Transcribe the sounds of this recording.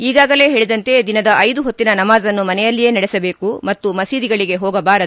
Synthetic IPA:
iːɡaːɡɐle̞ːɦeɭid̪ɐnt̪e̞d̪inɐd̪ɐʔɐjd̪uɦot̪ːinɐnɐmaːzɐnːumɐnɛjɐlːije̞ːnɐɽɛsɐbe̞ːkumɐt̪ːumɐsiːd̪iɡɐɭiɡe̞ɦɔːɡɐbaːɾɐu

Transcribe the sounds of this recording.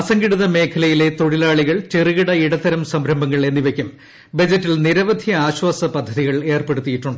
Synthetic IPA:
ɐsɐŋɡiɽuðɐme̞ːkʰɐlɐjile̞t̪o̞ɽilaːɭiɣɐɭt͡ɕeriɣiɽɐiɽɐt̪ːɐɾɐmsɐmɾɐmbɐŋːɐɭe̞nːiʋekʲːum | bɐd͡ʑɐtːilniɾɐʋɐd̪ʱjɐaːɕwaːsɐpɐd̪ʱːɐðiɣɐɭe̞ːrpe̞ɽut̪ːijiʈːuɳɖɨ

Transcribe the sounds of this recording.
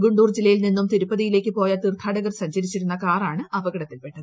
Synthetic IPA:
ɡuɳɖuːrd͡ʑilːɐjilninːumt̪iɾupːɐðijile̞ːkʲːɨpo̞ːjat̪irt̪ʰːaːɽɐɣɐrsɐɲt͡ɕɐɾit͡ɕːiɾunːɐkaːraːɳɨɐʋɐɡɐɽɐt̪ːilpe̞ʈːɐðɨ

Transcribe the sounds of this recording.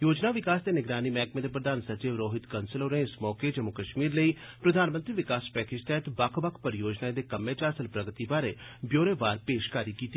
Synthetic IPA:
joːd͡ʒnaːʋɪkaːsd̪eːnɪɡɾaːnimɛːkmẽːd̪eːp̬ɾəd̪aːnsət͡ʃeːʋɾoːɦɪt̪kənsəlɦoːnẽɪsmɔːked͡ʒəmʊkəʃmiːɾləiː | pɾəd̪ʱaːnmə̃nt̪ɾiːʋɪkaːspɛːkɪd͡ʒt̪ɛːt̪bakʰbəkʰpəɾjoːd͡ʒnaːed̪eːkəmːẽːt͡ʃaːsəlpɾəɡət̪iːbaːɾeːbjoːɾeːbaːɾpeːʃkaːɾiːkiːt̪i

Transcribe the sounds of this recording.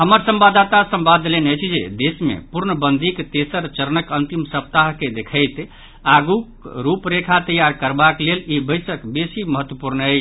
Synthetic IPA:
ɦəməɾsə̃mbad̪at̪asəmbad̪ːlenət͡ʃʰid͡ʒḛd̪esmḛpuɾnəbənd̪ʱikt̪esəɾt͡ʃəɾənəkənt̪imsəp̚t̪aɦked̪ekʰəɪt̪ | aɡukɾupɾekʰat̪əjaɾkəɾbaklelibəɪsəkbesiməɦət̪wəpuɾnə

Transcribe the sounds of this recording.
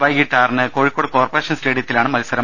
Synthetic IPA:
ʋɐjɡiʈːaːrnɨkoːɻikːoɽɨko̞ːrpɐreːɕɐnsʈeːɽijɐt̪ːilaːɳɨmɐlusɐɾɐ

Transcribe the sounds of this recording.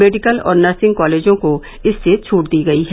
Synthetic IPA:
meːɖɪkəlɔ̰ːɾnəɾsɪ̃ŋɡkɔːleːd͡ʒõko | ɪsːet͡ʃʰuːʈd̪iːɡɐiɦɛ

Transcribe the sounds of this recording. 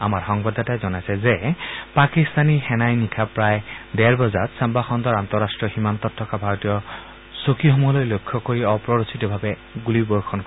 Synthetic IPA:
amaɹxɔŋbɔdatajzɔnajsɛzɛpakist̪anixɛnajnikʰapɹajdɛɹbɔzatsambaxɔndɔɹantɔɹastɹɔximant̪ɔtʰːɔkabʱaɹotijɔ | sokiɦɔmɔlojlojkʰːɔkoɹiɔpɹɔɹositɔbʱabɛ | ɡulibɔɹkʰɔn

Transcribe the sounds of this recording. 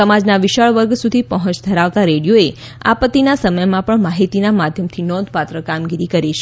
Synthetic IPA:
əmad͡ʒnaʋiʃəɭʋəɾɡsud̪ʱipəɦə̃t͡ʃd̪ʱəɾaʋt̪aɾeɽijoe | a̰pət̪inasəməjmãpəɳmaɦit̪inamad̪ʱjəmt̪ʰinɔ̃d̪ʱpat̪ɾəkamɡiɾikəɾit͡ʃʰe

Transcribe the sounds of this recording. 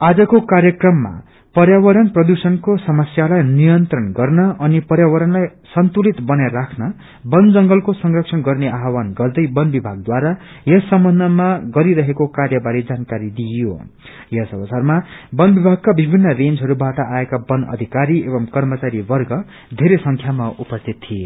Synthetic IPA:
ad͡zʌkokarjʌkrʌmːa̰ | pʌɾjawʌɾʌnprʌd̪usʌnkosʌmʌsjalajnijʌnt̪rʌnɡʌrnʌʔʌnipʌɾjawʌɾʌnlajsʌnt̪ulit̪bʌnarakʰnʌ | bʌnd͡zʌŋɡʌlkosʌŋrʌksʰʌnɡʌrneaɦwanɡʌrd̪ʌjbʌnbibʱaɡ̚d̪waɾa | jʌsʌmbʱʌnd̪ʱʌmaɡʌɾiɾʌɦekokarjʌbaɾid͡zankaɾid̪ijo̰ | jʌsʌbʌt͡sarmabʌnbibʱaɡ̚kabibʱinːʌrend͡zɦʌɾubaʈʌʔaekabʌnʌ̰d̪ʱikaɾiebʌmkʌrmʌt͡saɾibʌrɡʌ | d̪ʱeɾesʌŋkʰjamaupʌst̪ʰit̪ːʰie

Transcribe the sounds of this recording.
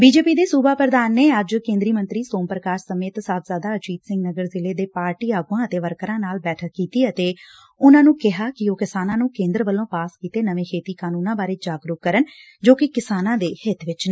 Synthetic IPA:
biːd͡ʒeːpiːd̪eːsuːbaːpɾəd̪aːnːeːəd͡ʒkẽːnd̪ɾiːmə̃nt̪ɾiːsoːmpɾəkaːɾsəmeːt̪saːt̪zaːd̪aːət͡ʃiːt̪sɪ̃ŋɡnəɡəɾzɪleːd̪eːpaːɾʈiːaːɡuãːət̪eːʋəɾkəɾãːnaːlbɛːʈʰəkːiːt̪iːət̪eː | ʊnãːnũːkɪɦaːkɪoːkɪsaːnãːnũːkẽːnd̪ɾəʋəlːõːpaːskiːt̪eːnəʋẽːkʰeːt̪iːkaːnuːnãːbaːɾeːd͡ʒaːɡɾʊkkːəɾən | d͡ʒoːkɪkɪsaːnãːd̪eːhɪt̪ʋɪt͡ʃneː

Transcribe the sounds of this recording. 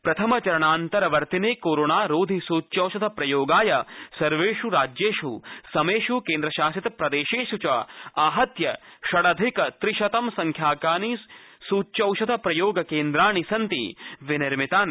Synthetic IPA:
pɾɐt̪ʰɐmɐt͡ʃɐɾɐɳaːnt̪ɐɾɐʋɐɾt̪ineːkoːɾoːɳaːɾoːd̪ʱisuːtːt͡ʃɐwʃɐt̪ʰɐpɾɐjoːɡaːjɐsɐɾʋeːʃuɾaːd͡ʒjeːʃusɐmeːʃukeːnd̪ɾɐʃaːsit̪ɐpɾɐd̪eːʃeːʃut͡ʃɐaːɦɐt̪jɐʃɐɽɐd̪ʱikɐt̪ɾɪʃɐt̪ɐmsɐŋkʰjaːkaːniːssuːtːt͡ʃɐwʃɐt̪ʰɐpɾɐjoːɡɐkeːnd̪ɾaːɳisɐnt̪ḭʋinɪɾmit̪aːn

